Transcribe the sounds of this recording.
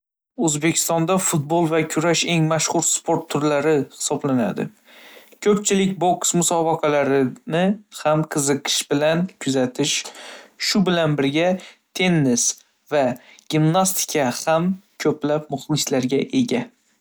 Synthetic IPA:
ɵzbekʲʰɪ̥st̪ɒnd̪afʊt̪̚bolˠvakʲʰʊɾaʃe̞ŋmaʃχʊɾspʰoɾt̪ʰːʊɾlaɾɪhɪ̥sɒblana̰d̪ɪ̰ | kʰɵpt͡ʃʰɪlɪk̚ʲboksmʊsɒbaqʰɑlaɾɪnɪhamqʰɨzɨqʰɨ̥ʃbɪlankʲʰʊzat̪ʰɪʃʃʊbɪlanbɪɾɡʲat̪ʰe̞nːɪs | vaɡ̥ʲimnast̪ʰɪ̥kʲʰahamkʲʰɵplap̚mʊχlˠɪslaɾɡʲaʔe̞ɡʲa

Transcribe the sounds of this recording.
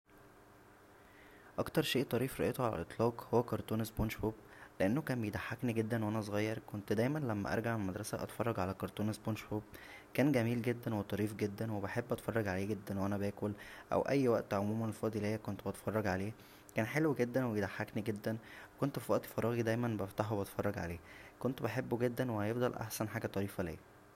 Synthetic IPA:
ʔɑkt̪ɑɾˤʃeːʔt̪ˤːɑɾiːfɾˤɑʔet̪oʕalæ̰lʔet̪ˤlɑːqhowːækɑɾˤt̪ˤuːnesboːnʃfoːb̚leʔenːokæːmbejed̪aħːakniɡed̪ːænwʔænæs̬ˤɣɑjːɑɾˤkont̪d̪æjmænlæmːæ̰ʔɑ̰ɾˤɡaʕmemæd̪ɾˤɑsæʔɑ̰t̪fɑrˤːɑɡʕalækɑɾˤt̪ˤuːnesboːnʃfoːb̚kæːnɡæmiːlɡed̪ːænwet̪ˤɑɾiːfɡed̪ːænwebeħebːʔɑt̪fɑrˤːɑɡʕaleːɡed̪ːænwʔænæbæːkolʔæ̰wʔæjːwæʔt̪ʕomuːmænfɑːd̪ˤilejːækont̪bɑt̪fɑrˤːɑɡʕaleː | kæːnħelwɡed̪ːænwejed̪aħːakniɡed̪ːænwekont̪fiwæʔt̪ˤi̥fɑɾˤɑːɣid̪æjmænbæft̪ɑħobɑt̪fɑrˤːɑɡʕa̰leːkont̪beħebːoɡed̪ːænwehæjefd̪ˤɑlʔa̰ħsænħaːɡæt̪ˤɑɾiːfælḛː

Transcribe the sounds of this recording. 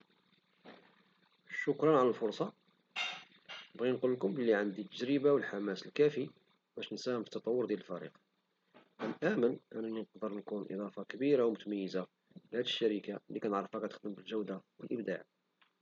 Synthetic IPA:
ʃʊkɾˤɑnʕaləlfʊɾsˤɑ | nəbɣinqulːkʊmbəlːiʕənd̪it̪ːəʒɾəbawəlħamæsəlkæfi | bæʃnsæhəmfi̥t̪ːɑt̪ˤɑwːʊɾd̪jæləlfæɾḭq | ʔæmʔæmənʔænæninqd̪əɾˤnkunʔḭd̪ˤɑfɑkæbiɾawmʊt̪mæjːəza | bhæd̪əʃːæɾikalikænəʕɾˤəfækæt̪ə̥xd̪əmbəlʒəwd̪awəlʔəbd̪a̰ʕ

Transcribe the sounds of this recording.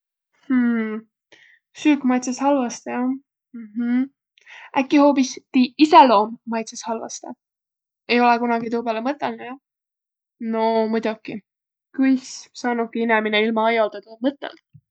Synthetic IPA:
h̩ | syːkmɑjt̪seshɑlvɑst̪ɑjɑ | m̩ɦ̩ | ʔækːˑiho̞ːpist̪iiselo̞ːmːɑjt̪seshɑlvɑ̰st̪ɑ̰ | e̞jo̞lɛkunɑɡ̥it̪uːpelemɤt̪ːˑelnejɑ | no̞mujd̪uki | kujssɑːnukiinɛmineilmɑɑjɑld̪ɑt̪umɤt̪ːˑḛl

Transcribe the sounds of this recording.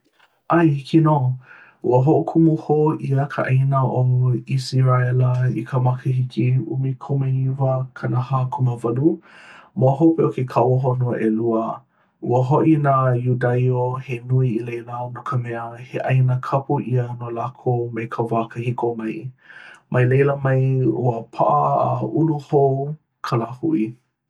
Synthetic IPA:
ʔajhikino | ṵəɦoʔukʰumuhoʔiəkʰəʔajnəʔoŋuisiɾaɛləikʰəmɐkʰəɦikʰiṵmikʰomeivəkʰanəhaːkʰuməvɐlumoɦopeokekʰawɦonoəʔeluə | ʔṵəɦoʔinajudɐjohenuiilejlaonokʰəmɛəheʔajnəkʰɐpuʔiənolakʰomekʰəvaːkəhikomɐj | mʔɐjlejləmɐjṵəpʰa̰ʔəːuluhow | kʰəlaːhuʔi

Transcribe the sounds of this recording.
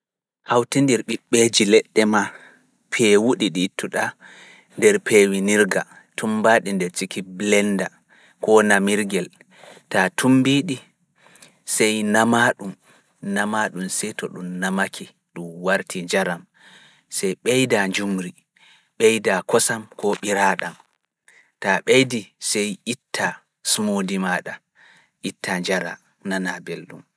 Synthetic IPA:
hawtindiɾɓiɓːed͡ʒilɛɗːɛma | pʰɛwuɗiɗitʰːuɗa | ndɛɾpʰewiniɾɡa | tʰumbaɗindɛɾt͡ʃikiblɛnda | kɔnamiɾɡɛl | tatʰumbiɗi | sɛjnamaɗum | namaɗumsɛtɔɗumnamakʰi | ɗumwaɾtʰiɲd͡ʒaɾam | sɛjɓɛjdaɲd͡ʒumɾi | ɓɛjdakɔsamkɔɓiɾaːɗam | taɓejdisɛjʔitːa | sumodimaɗa | ʔitːad͡ʒaɾa̰ | nanabelɗṵm

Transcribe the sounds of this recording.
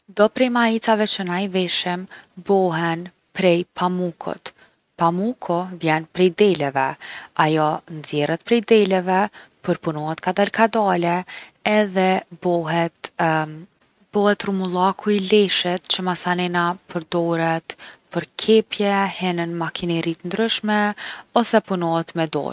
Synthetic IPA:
d̪ɔpɾɛjmait͡savɛt͡ɕənajvɛʃɛmbɔɦɛn | pɾɛjpʰamukʰɔ̰t̪ | pamukʰɔvjɛnpɾɛjd̪ɛlɛvɛajɔnzjɛrɛt̪̚pɾɛjd̪ɛlɛvɛpəɾpunɔhɛt̪kad̪alkad̪alɛɛðɛbɔɦɛt̪ | b̥ɔhɛt̪rumulˠakʰuilɛʃɛt̪t͡ɕəmasanɛnapʰəɾd̪ɔɾɛt̪pəɾkʰɛpjɛhɛnənmakʰinɛɾit̪ənd̪ɾyʃmɛɔsɛpunɔɦɛt̪mɛd̪ɔ̰ɾ

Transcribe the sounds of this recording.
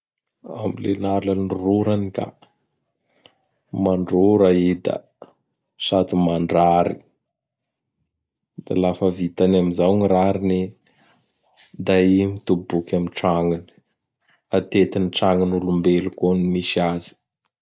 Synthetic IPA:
a̰milḛnaɾlanruɾanika̰ | maɳɖ͡ʐoɾaid̪a̰ | sat̪imaɳɖ͡ʐaɾi | d̪̥a̰lafəvit̪anamizawŋiɾaɾini | d̪aimit̪ubukʲamiʈ͡ʂaŋini̥ | at̪et̪iniʈ͡ʂaŋinulumbelukonimiʃazi̥

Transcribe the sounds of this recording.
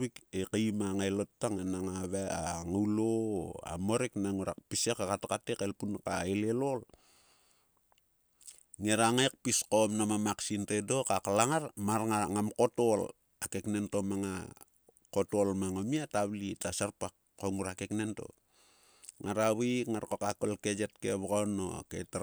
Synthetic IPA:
wikekajmaŋaelottːaŋanaŋaβaŋauloa̰mo̞ɾeknaŋuɾa̰k̚pisekakatakatekelpunkaelelol | ŋeɾaŋaek̚piskomnamamaksintedo̞kaklaŋaɾmaɾŋaŋamko̞tol | akekne̞nto̞maŋa | ko̞tolmaŋomiataβlitasaɾpak | kːoŋuɾakeknento̞̰ | ŋaɾaβikŋaɾkokakolked͡ʒet̚keβaɡano̰kḛta

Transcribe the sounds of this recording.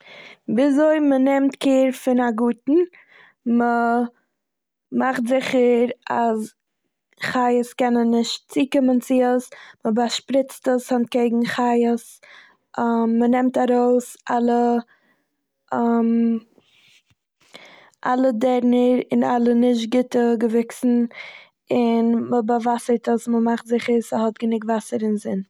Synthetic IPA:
viːzoɪmənɛmtkʰeːɾfɪnaɡuːtn̩ | mə | maχtzɪχəɾas | χaɪəskɛnənːɪʃtt͡siːkɪmənt͡sɪəsməbaʃpɾɪt͡stəshantkeɪɡŋ̩χaɪəs | mːənɛmtaɾoʊsalˠə | m | ʔalˠədɛɾnəɾɪnalˠənɪʃ̬t̚ɡɪtəɡəvɪksn̩ | ɪnməbavasətəsməmaχtzɪχəɾsəɦɔtɡənɪɡvasəɾɪnzɪn

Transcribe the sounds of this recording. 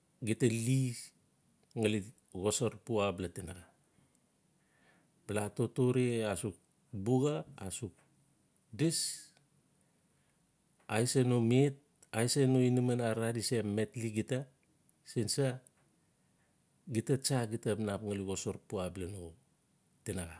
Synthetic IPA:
ɡitali | ŋali | ɡosoɾpuablatenaɡa | blatotoɾeasuk̚ | buɡaːsuk̚ | dis | ajsenomet̚ | ajsenoinimanaɾadisemetliɡita | sinsa | ɡitat͡ʃaɡitapnapŋaliɣosoɾpuablano | tenaɡa

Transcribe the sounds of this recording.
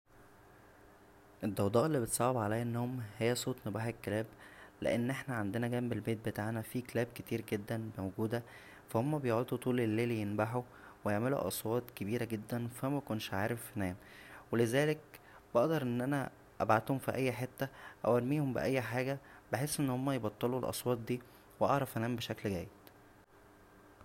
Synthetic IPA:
ʔed̪ːɑwd̪ˤɑːʔelːibet̪sˤɑʕebʕalæjʔenːooːmhejːæsˤoːt̪nebaħekːelæːblḛʔenːʔeħnæʕand̪enæɡæːmbelbeːt̪̚bet̪aːʕnæfiːklæːb̚ket̪iːɾɡed̪ːænmæwoɡuːd̪æ | fæhomːæbejoʕod̪ut̪ˤuːlelːeːljenbaħu | wejeʕmelṵʔɑ̰swɑːt̪kebiːɾæɡed̪ːænfæmækonʃʕaːɾeffænæːm | welezæːlek̚ | b̥ɑʔd̪ɑɾˤʔenːʔænæ | ʔæbʕat̪homfiʔæjːħet̪ːæʔæ̰wæɾmiːhombḛʔæjːħaːɡæbeħesːʔenːhomːæjebɑt̪ˤːelulʔɑ̰sˤwɑːt̪̚ˤd̪iː | weʔɑʕɾˤɑfænæːmbeʃæklɡæ̰jːed̪̥

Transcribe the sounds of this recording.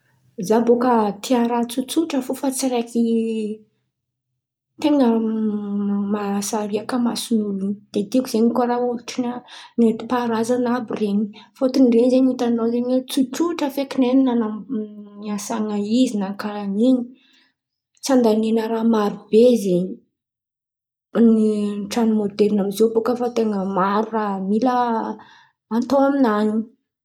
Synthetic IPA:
zabokət̪ʰiaɾat͡sut͡suʈ͡ʂəfufat͡siɾaki | t̪eŋə | masaɾiakəmasunulunid̪̥ed̪ikuzeɲikoɾauluʈ͡ʂinanet̪i̥paɾazanabireɲi̥fot̪unreɲzeɲit̪anozeɲwet͡sut͡suʈ͡ʂəfekineninananiasaŋəizinaŋkaaniɲi | t͡sand̪anenəɾamaɾubezeɲi | niʈ͡ʂanimod̪elinamizobokəfat̪eŋəmaɾuraɦmilə | aːnt̪oaminani

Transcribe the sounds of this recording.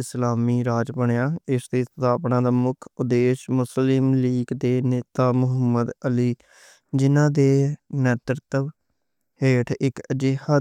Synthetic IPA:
ɪslaːmiːɾaːd͡ʒbəɳejaːɪsd̪eːt̪ət̪aːpɳãːd̪aːmʊkʰʊd̪eːʃmʊslɪmliːɡd̪eːneːt̪aːmʊɦəmːəd̪əliː | d͡ʒɪnãːd̪eːnɛːt̪əɾt̪əʋ | heːʈʰɪkəd͡ʒɪɦa

